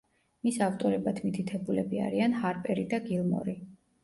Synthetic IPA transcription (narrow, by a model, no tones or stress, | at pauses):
misaft̪ʼɔɾɛbat̪ʰmit̪ʰit̪ʰɛbulɛbia̰ɾianhaɾpʼɛɾid̪aɡilˠmɔ̰ɾi